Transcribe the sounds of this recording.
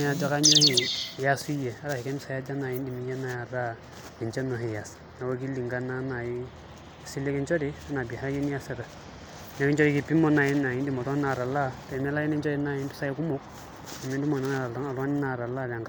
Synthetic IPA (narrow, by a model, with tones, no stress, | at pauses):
a˨d͡ʒa˦ka˦ɲo˦hi˨ja˦su˦i˦jɛ˨a˦ɾa˨hi˨kɛ˦ni˦sa˦ja˦d͡ʒa˦na˨ji˦ndi˨mi˨˦jɛ˦na˦ja˨ɾa˦ | ni˨t͡ʃɛ˦no˨ɦi˨ja˨sna˨wa˦ki˦lːi˨ŋɡa˦na˦na˨ji˦˨ | si˦lːe˦kɛ˦nt͡ʃɔ˦di˦a˦na˨bi˨a˦ɾa˦jɛ˦ni˦ja˦sɛ˦ɾa˨ | nɛ˦kɛ˦nt͡ʃɔ˦ɾi˨ki˨pi˦mɔ˦na˨ji˦nːa˨ji˦di˦˨mɔ˨tɔ˦na˨ɾa˨la˦tmi˦la˦ji˦nɛ˦nt͡ʃɔ˦di˦na˦˨ji˦ndu˦sa˦ji˦ku˦mo˦k | a˨mi˦n˦du˦ma˨na˦na˦˨ɾa˨a˦ŋa˨lwa˦ni˦na˨ɾa˨la˦˨da˨ŋk